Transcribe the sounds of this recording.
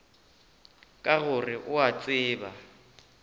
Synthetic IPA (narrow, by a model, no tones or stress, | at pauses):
kʼaɣʊrɪʔʊat͡sʼɪːba